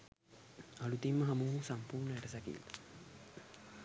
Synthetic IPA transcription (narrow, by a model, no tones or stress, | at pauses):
alut̪imːəɦamuɦusampuːɾɳəæʈəsakḭlːa